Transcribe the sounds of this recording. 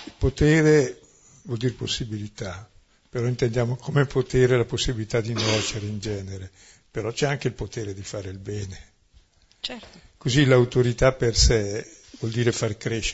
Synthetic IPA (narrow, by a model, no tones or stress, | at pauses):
ilpot̪eːɾe | vwɔld̪iːɾeposːibilit̪a | peɾɔint̪end̪jaːmokʰomepʰot̪eːɾelaposːibilit̪ad̪inɛt͡ʃeɾeind͡ʒɛːneɾe | peɾɔt͡ʃɛaŋkeilpot̪eːɾed̪ifaːɾeilbɛːne | t͡ʃkozilawt̪oɾit̪apersɛ | vwɔld̪iːɾefarkɾeʃ